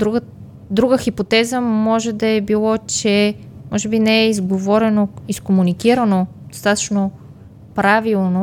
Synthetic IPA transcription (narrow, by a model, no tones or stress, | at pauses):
d̪ɾuɡ | d̪ɾuɡəxipot̪ɛzəmɔʒɛd̪ɐɛbilˠɔt͡ʃɛmɔʒɛbinɛɛizɡovɔɾɛnoiskomunikiɾɐnod̪̥ost̪at̪ə̥t͡ʃno | pɾavilˠno